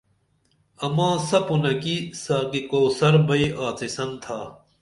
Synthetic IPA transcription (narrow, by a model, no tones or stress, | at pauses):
ɐmãːsɐpunɐkisaːɡikoːsɐɾbɐiʔaːt͡sisɐnt̪ʰaː